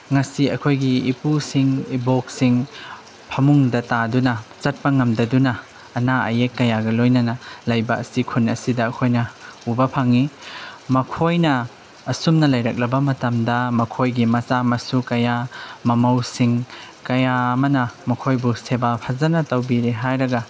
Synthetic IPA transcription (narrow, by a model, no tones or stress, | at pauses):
ŋasiɐkʰojɡiipusiŋiboksiŋ | pʰɐmuŋdɐtadunɐt͡ʃɐt̚pɐŋɐmdɐdunɐː | naɐjekːɐjaɡɐlojnɐnɐlajbɐɐsikʰunɐsidɐɐkʰojnɐubɐpʰaŋimɐkʰojnɐː | sumnɐlɐjɾɐk̚lɐbɐmɐtɐmdɐmɐkʰojɡimɐt͡ʃamɐsukɐjamɐmɐwsiŋ | kɐjamɐnɐmɐkʰojbusebapʰɐzɐnɐtɐwbiɾeɦajɾɐɡɐ